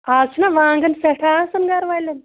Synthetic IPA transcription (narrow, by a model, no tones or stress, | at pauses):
asnaʋaːŋɡənsɛʈʰasɐnɡaɾʋajlen